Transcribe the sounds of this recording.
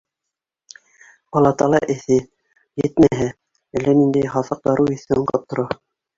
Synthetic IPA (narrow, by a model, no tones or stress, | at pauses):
ɑlˠːɑt̪ɑlˠɑʔɘ̆θɘ | jɘt̪̚mæɦæ | ælːænind̪æjχɑθɤq̚d̪ɑɾɤwɘ̆θɘɴqɤ̰p̚t̪ːŏɾɑ